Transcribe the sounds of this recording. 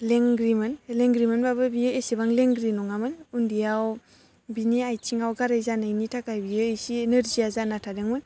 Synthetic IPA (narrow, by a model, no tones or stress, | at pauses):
leŋɡɾimɯnleŋɡɾimɯnbabɯbijɯesebaŋleŋɡɾinɔŋamɯnundijaw | biniajt͡ʃʰiŋawɡaɾajzanajnitʰakajbijɯːjsieneɾziazanatʰadeŋmɯn